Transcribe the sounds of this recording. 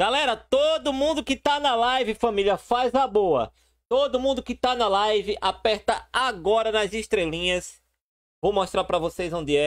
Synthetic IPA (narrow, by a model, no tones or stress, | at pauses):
ɡ̥alɛɾɐt̪od̪ʊmũnd̪ʊkɪt̪anɐlajvɪfɐ̃miljɐfajzɐboɐ̰ | t̪od̪ʊmũd̪ʊkɪt̪anɐlajvɪʔapɛɾt̪ɐaɡɔɾɐnɐziʃt̪ɾelĩɲɐs | vowmoʃt̪ɾaɾpɾɐvosejzõnd̪ɪɛ